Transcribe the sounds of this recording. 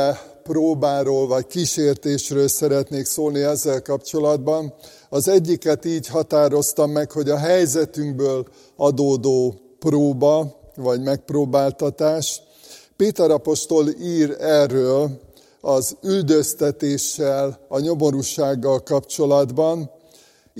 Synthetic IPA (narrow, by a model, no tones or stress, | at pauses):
proːbaːɾoːlvɒckiʃeːrt̪eːʃrøːlsɛɾɛt̪neːksoːlniɛzːɛlkɒpt͡ʃo̞lɒd̪bɒn | ɒzɛɟːikɛt̪iːɟhɦɒt̪aːɾo̞st̪ɒmːɛkho̞ɟɒɦɛjzɛt̪yŋɡbøːl | ɒd̪oːd̪oː | proːbɒvɒɟmɛk̚proːbaːlt̪ɒt̪aːʃ | peːt̪ɛɾɒpo̞ʃt̪o̞liːrɛrːøːl | ɒzyld̪øst̪ɛt̪eːʃːɛlɒɲo̞mo̞ɾuʃaːɡːɒlkɒpt͡ʃo̞lɒd̪bɒn